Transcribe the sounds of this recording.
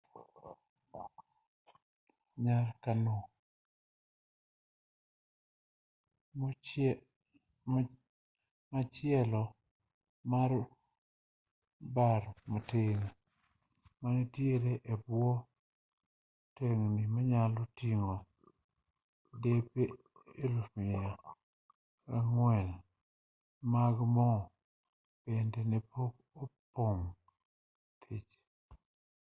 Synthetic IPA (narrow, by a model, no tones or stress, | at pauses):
ɲarkano | mat͡ʃjɛlɔ | maɾ | baɾmoteŋ | manetjeɾeʔebwɔ | teŋnimaɲalotiŋo | depe | elumɪja | kaŋwɛl | maɡmɔ | pendɛnepok | opoŋ | t̪ʰit͡ʃ